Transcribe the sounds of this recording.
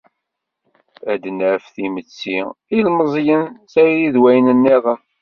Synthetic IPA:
æd̪nəɾəfθimət͡sːiilməzˤjənsæɾjiðwæjənənːiðˤə

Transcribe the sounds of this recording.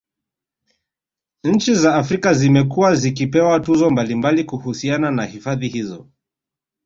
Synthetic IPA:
ɲ̩t͡ʃizaːfɾikazimɛkuwazikipɛwatuzɔmbalimbalikuhusiananahifaðihizɔ̰

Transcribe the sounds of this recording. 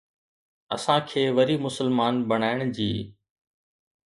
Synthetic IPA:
ɐ̰sãkʰeːʋɐɾimʊsəlmaːnbɐɽ̃aːɪɽ̃d͡ʑiː

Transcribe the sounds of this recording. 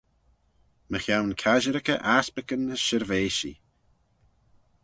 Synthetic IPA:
məxjawnkʰaʒəɾəkə̰ʔaspɪkənːəsʃɪɾveːʃḭ

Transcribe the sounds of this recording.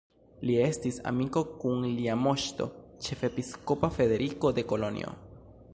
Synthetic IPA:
lie̞stisa̰miko̞kunliamo̞ʃto̞̰t͡ʃe̞fe̞pisko̞pafe̞de̞ɾiko̞deko̞lo̞nḭo̰

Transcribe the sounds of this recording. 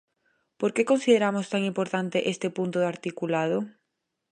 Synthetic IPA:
poɾkekonsiðeɾamʊst̪aŋĩmpoɾt̪ant̪eʔest̪epunt̪ʊðaɾt̪ikulað̞ʊ

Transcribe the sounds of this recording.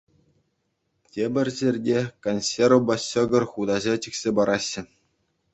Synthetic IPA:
tʲebʲɘ̆rʲzʲerʲdʲekonʲsʲeɾobɑɕɤ̆ɡɤ̆rχud̪ɑʑɑt͡ɕikʲsʲebɑɾʔɑɕːɘ̆

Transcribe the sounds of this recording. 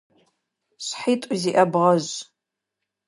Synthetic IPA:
ɕʷħitʷʼʊziʔɐbʁɐʑʷ

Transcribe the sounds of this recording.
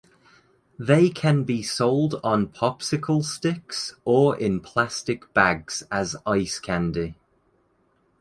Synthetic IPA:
ðeɪkʰə̃nbisoʊlˠdn̩pʰɒpsɪkʰəlˠstɪksəɹʔɪ̃npʰl̥astɪk̚b̥aɡz̥əzaɪskʰãndɪ

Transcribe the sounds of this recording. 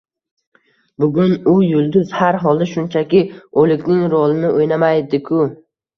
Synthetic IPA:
bʊɡʲʊnʊjʊlˠd̪ʊz̥haɾɦɒlˠd̪aʃʊnt͡ʃʰakʲɪolˠɪkʲnɪŋɾolˠɪnɪʔojnamajd̪ɪkʰʊ

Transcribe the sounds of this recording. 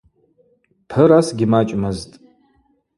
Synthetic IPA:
pʰɨɾasɡʲɪmat͡ʃʼmɨztʼ

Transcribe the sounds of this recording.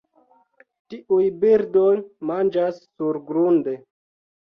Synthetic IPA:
tiʔujbiɾdojmand͡ʒasːuɾɡɾunde

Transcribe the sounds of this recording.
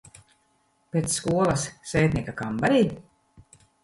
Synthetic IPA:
pʲet̪sːkuɔlˠɐsːɛːt̪ʲnʲiɛkakambaɾiː

